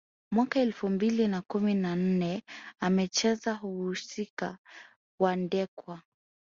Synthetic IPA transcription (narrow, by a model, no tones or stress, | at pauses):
mwakaɛlfumbilinakuminan̩nɛamɛt͡ʃɛzaɦuhusika̰ | wandɛkwa